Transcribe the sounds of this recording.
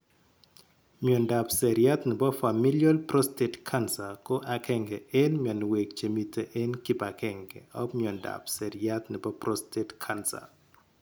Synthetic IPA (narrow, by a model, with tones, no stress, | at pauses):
mjɔ˨nda˨psɛ˨ɾja˦t̪nɪ˨bɔ˦fa˨mi˦ljɔ˦lpɾɔ˦ste˨tkʰa˦nsa˨kɔ˦ʔa˨kɛ˦ŋɡɛ˨e˦nmjɔ˨n˨we˨k̚t͡ʃe˨mi˨tʰe˨ʔe˦nkɪ˦ba˨kɛŋɡɛ̰ɔ˦mjɔ˨nda̰˨psɛ˨ɾja˦t̪nɪ˨bɔ˦prɔ˦stetkʰansa̰